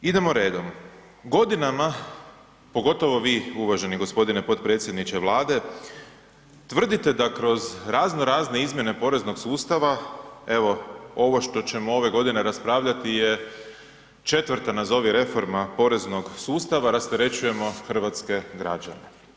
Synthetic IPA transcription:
id̪e̞moɾe̞ːd̪om | ɡo̞d̪inama | po̞ɡo̞t̪o̞ʋo̞ʋiːuʋaʒe̞niɡo̞spo̞d̪ine̞po̞t̪̚pɾet̪sʲje̞d̪nit͡ʃeʋlˠaːd̪e̞ | t̪ʋr̩d̪it̪e̞d̪akɾo̞zɾaːznoɾaːzne̞izmje̞ne̞po̞ɾe̞zno̞ɡsuːst̪aʋae̞ʋo̞o̞ʋo̞ʃt̪o̞t͡ɕe̞moo̞ʋe̞ɡo̞d̪ine̞ɾaspɾaːʋʎat̪ije̞ | t͡ʃe̞t̪ʋr̩t̪anazo̞ʋiɾe̞fo̞ɾmapo̞ɾe̞zno̞ɡsuːst̪aʋaɾast̪eɾe̞t͡ɕuje̞mo̞xr̩ʋat̪ske̞ɡɾa̰d͡ʒa̰ne̞

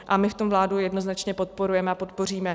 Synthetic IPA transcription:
ʔamɪft̪o̞mvlaːdujɛdno̞znat͡ʃɲɛpo̞t̪̚po̞ɾujɛmɛapo̞t̪̚po̞r̝iːmɛ

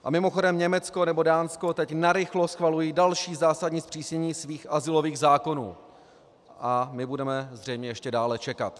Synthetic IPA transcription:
ʔa̰mɪmoxo̞dɛmɲɛmɛt͡sko̞nɛbo̞daːnsko̞t̪ɛcnaɾɪxlosxvalujiːdalʃiːzaːsadɲiːspr̝̥iːsɲɛɲiːsviːxʔazɪlo̞viːɣzaːko̞nṵː | ʔamɪbudɛmɛzrɛjmɲɛjɛʃcɛdaːlɛt͡ʃɛka̰t̪

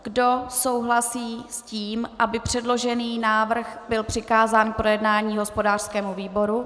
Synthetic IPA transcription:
ɡ̥do̞so̞wɦlasiːsciːmʔabɪpr̥ɛdlo̞ʒɛniːnaːvr̩xbɪlpr̝̥ɪkaːzaːnpɾo̞jɛdnaːɲiːɦo̞spo̞daːr̥skɛːmuviːbo̞ɾu

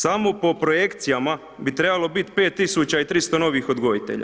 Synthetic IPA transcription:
samo̞po̞pɾo̞je̞kt̪sijama | bit̪ɾe̞balˠo̞bit̪pe̞ːt̪ːisut͡ɕait̪ɾist̪o̞no̞ʋixo̞d̪ɡo̞ʋit̪e̞̰ʎa̰

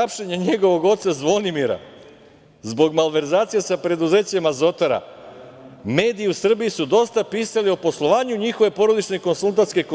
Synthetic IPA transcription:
apʃeɲeɲe̞ɡo̞ʋo̞ɡo̞t̪sazʋo̞nimiɾa̰ | zbo̞ɡmalʋe̞ɾzaːt̪sijesapɾe̞d̪uze̞ːt͡ɕemazo̞t̪oɾa̰ | me̞ːd̪iiusr̩bijisud̪o̞st̪apiːsalio̞po̞slˠo̞ʋaːɲuɲixo̞ʋe̞po̞ɾo̞d̪it͡ʃne̞ko̞nsulˠt̪at̪ske̞ko

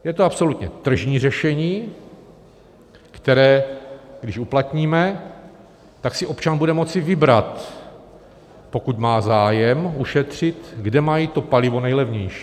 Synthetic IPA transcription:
jɛt̪oapso̞lut̪ɲɛt̪r̩ʒɲiːrɛʃɛɲiː | kt̪ɛɾɛːɡdɪʃuplat̪ɲiːmɛ | t̪aksɪʔo̞pt͡ʃanbudɛmo̞t͡sɪvɪbɾat̪ | po̞kut̪maːzaːjɛmuʃɛt̪r̝̥ɪt̪ɡdɛmajiːt̪o̞palɪvo̞nɛjlɛvɲɛjʃi̥ː

